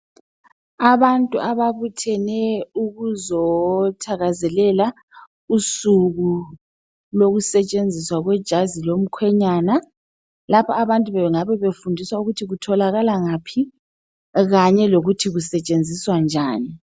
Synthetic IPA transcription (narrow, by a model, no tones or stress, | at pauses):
aβantʼṵʔaβaβutʰɛnɛuɣuzɔtʰaɣazɛlɛla | usuɣu | loɣusɛt͡ʃʼend͡zʱiswaɣwɛd̥ʒ̥ʱazilom̩kʰwɛɲaːna | lapʰɔaβantʼuβɛŋaβɛβefundʱiswauɣutʰiɣutʰɔlaɣalaŋaːpʰi | ɣaɲɛloɣutʰiɣusɛt͡ʃʼend͡zʱiswand͡ʒʱaːni